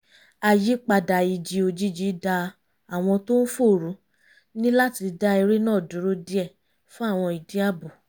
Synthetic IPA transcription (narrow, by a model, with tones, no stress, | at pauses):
a˧˨ji˨˦k͡pa˧da˨i˨d͡ʒi˧o˧d͡ʒi˦˨d͡ʒi˨˦da˧ | a˨w̃ɔ̃˧to˦n̩˦fo˦˨ɾu˨˦ | nĩ˦la˦ti˧da˦i˧ɾe˦nãː˦˨dũ˨˦ɾo˦di˦ɛ˦˨ | fũ˦a˦˨w̃ɔ̃˧i˨di˨˦a˦˨bu˨